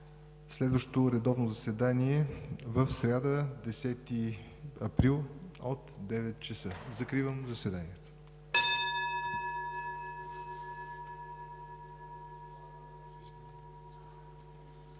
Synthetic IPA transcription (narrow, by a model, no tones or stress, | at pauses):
slɛd̪vəʃt̪ot̪oɾɛd̪ɔvnozɐsɛd̪aniɛvəfsɾʲad̪əd̪ɛsɛt̪i | ɐpɾilˠot̪d̪ɛvɛt̪̚t͡ʃəsəzɐkɾivəmzɐsvɛd̪aniɛt̪ə̥